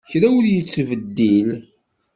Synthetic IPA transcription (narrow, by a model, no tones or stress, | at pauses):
çɾæwʊljət͡sːvəd̪ːil